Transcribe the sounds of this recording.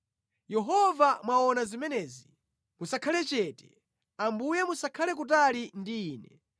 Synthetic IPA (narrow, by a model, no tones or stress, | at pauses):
jɛɦɔvamwaɔnazimɛnɛzi | musakʰalɛt͡ʃɛtɛ̥ | ambujɛmusakʰalɛk̬ut̬alindiːnɛ